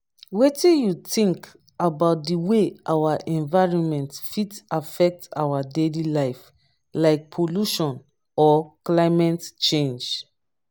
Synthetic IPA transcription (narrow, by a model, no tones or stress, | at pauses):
wetĩjutĩŋk | abaʊt̚diweʔawaʔɛ̃nvaɪɹɔ̃nmɛ̃ntfitafɛk̚ta̰wadelilaɪf | laɪk̚pʰoluʃɔ̃n | ɔklaɪmɛ̃ntt͡ʃẽnd͡ʒ